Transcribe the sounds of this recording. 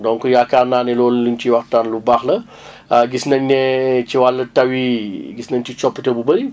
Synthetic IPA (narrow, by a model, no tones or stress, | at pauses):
dɔŋkujakarnaːnɛlɔːlluɲt͡ʃiwɐxtanlubaxlɐ | ɡisnɐɲnɛt͡ʃiwalːɐtɐwiɡisnɐɲt͡ʃit͡ʃɔpːətebubɐɾi